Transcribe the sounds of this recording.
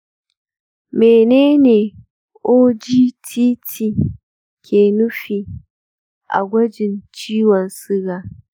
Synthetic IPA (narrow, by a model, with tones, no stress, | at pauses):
meː˨neː˦neː˨ | ʔoː˦d͡ʒiː˦tʰiː˦tʰiː˦ | kʲʰeː˨nʊ˦ɸiː˨ | ʔa̰˨ɡʷɐ˦d͡ʒɪ˨nt͡ʃiː˦wɔ˨nsɪ˦ɡaː˨